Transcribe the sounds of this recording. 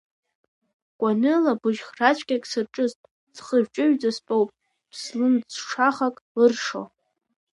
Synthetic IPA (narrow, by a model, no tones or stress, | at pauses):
kʷʼanɨlabɨʒχrat͡ʃʷʰʼkʲʼakʲʼsɨrʈ͡ʂʼɨztʼ | d͡zχəʒᶣt͡ʃʼɪɥd͡zaspʼowpʼ | pʰslɨnd͡zʂaχakʼlɨrʂo̰